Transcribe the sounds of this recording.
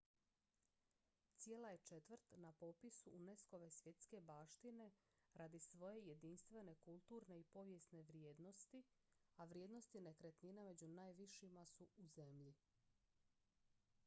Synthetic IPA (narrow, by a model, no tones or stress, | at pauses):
t̪sije̞ːlaje̞t͡ʃe̞t̪ʋɾt̪napo̞pisuːnesko̞ʋe̞sʋje̞t̪ske̞baːʃt̪ine̞ | ɾaːd̪isʋo̞je̞je̞d̪inst̪ʋe̞ne̞kulˠt̪uːɾne̞ipo̞ʋje̞sneʋɾjeːd̪no̞st̪i | aʋɾjed̪no̞st̪ine̞kɾet̪niname̞d͡ʑunaːjʋiʃimasuuze̞mʎi